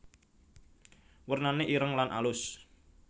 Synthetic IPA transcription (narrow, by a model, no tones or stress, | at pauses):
wərnaneʔiɾəŋlanʔa̰lʊs